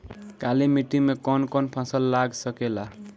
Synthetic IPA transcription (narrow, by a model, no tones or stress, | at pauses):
kalimiʈimekɔnkɔnpʰãsəlːaɡsəkela